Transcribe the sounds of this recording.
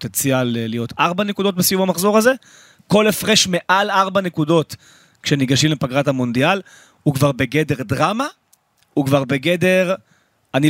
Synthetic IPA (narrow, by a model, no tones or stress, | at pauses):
t̪ent͡sjalːijo̞tʰaʁbanekud̪o̞t̚besijumamaχzo̞ʁaze̞ | ko̞lefʁe̞ʃme̞ʔalaʁbanekudo̞t | kʃe̞niɡaʃimlepaɡʁathamo̞nd̪ial | hukvaʁbe̞ɡe̞de̞ʁdʁama | ukvaʁbeɡe̞de̞ʁ | ani